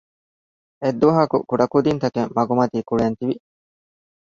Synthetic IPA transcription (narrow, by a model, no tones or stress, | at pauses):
ed̪ːuʋɐɦɐkukuɖɐkud̪int̪ɐkeŋmɐɡumɐt̪iːkuɭeɐnt̪iʋi